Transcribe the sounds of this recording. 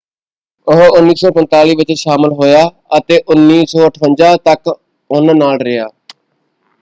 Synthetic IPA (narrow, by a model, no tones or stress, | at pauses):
ʊɦʊnːiːsɔːpənt̪aːliːʋɪt͡ʃʃaːməlɦoːjaː | ət̪eːʔʊnːiːsɔːəʈʰʋəɲd͡ʒaːt̪ək | ʊnnaːlɾɪjaː